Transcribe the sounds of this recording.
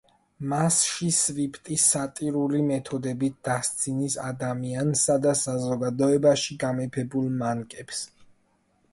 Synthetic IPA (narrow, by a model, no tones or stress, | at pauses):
masʃisɾipʰt̪ʼisːat̪ʼiɾulimɛt̪ʰɔd̪ɛbit̪̚ʰd̪̥ast̪sʰinisad̪amiansad̪asazɔɡad̪ɔɛbaʃiɡamɛpʰɛbulˠmankʼɛps